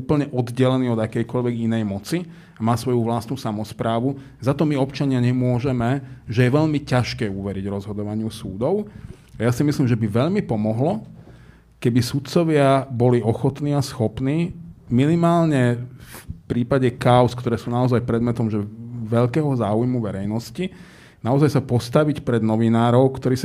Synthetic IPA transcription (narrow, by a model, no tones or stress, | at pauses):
uːpl̩ɲɛʔɔd̪ɟɛlɛniːɔd̪akɛjkɔʎʋɛɡinɛjmɔt͡si | amaːsʋɔjuʋlast̪nusamɔspɾaːʋu | zat̪ɔmiɔpt͡ʃaɲɪaɲɛmʊɔʒɛmɛʒɛjɛʋɛʎmicaʃkɛːuʋɛɾiɟɾɔzɦɔd̪ɔʋaɲɪusṵːd̪ɔʊ | ajasimislimʒɛbiʋɛʎmipɔmɔɦlɔ | kɛbisut̪t͡sɔʋɪabɔliɔxɔt̪niːasxɔpniːminimaːlɲɛfpɾiːpaɟɛkaʊskt̪ɔɾɛːsuːnaɔzajpɾɛd̪mɛt̪ɔmʒɛʋɛʎkɛːɦɔzaːujmuʋɛɾɛjnɔsci | naɔzajsapɔst̪aʋicpɾɛd̪nɔʋinaːɾɔʊkt̪ɔɾiːs